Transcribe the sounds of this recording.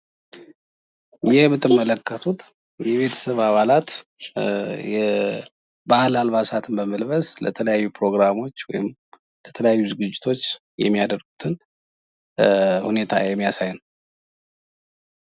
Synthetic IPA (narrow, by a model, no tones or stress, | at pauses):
jɛhmɨt̪ʰːɨmːələkːət̪ʰut̪ | jɛβe̞t̪ʰə̥səβaβalat̪ | jɛ | bahlalβasat̪ʰɨnbəməlβəslə̰t̪ʰələjajːupɾo̞ɡɾamo̞t͡ʃːwɔ̰jɪm | lət̪ʰələjajːuzɨɡɨd͡ʒːɪ̥t̪ʰo̞t͡ʃː | jɛ̰mːijad̪əɾɡut̪ʰɨn | hune̞t̪ʰa̰jɛmːijasajɪn